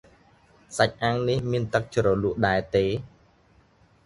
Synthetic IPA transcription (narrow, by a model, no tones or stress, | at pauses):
sac̚ʔaːŋnihmiənt̪ɨk̚t͡ɕrɔluəʔɗaɛt̪eː